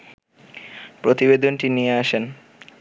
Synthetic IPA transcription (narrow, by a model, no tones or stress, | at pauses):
pɾot̪ibed̪onʈinieaʃen